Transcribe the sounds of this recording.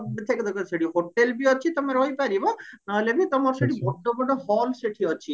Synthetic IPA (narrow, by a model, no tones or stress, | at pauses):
bt̪ʰeked̪ɔkʰɔseɽiɦoʈelbiɔt͡ʃʰit̪omeɾɦojpaɾibɔnaɦelebit̪omɔɾseɽibɔɖobɔɖɔhɔlseʈʰiɔt͡ʃʰi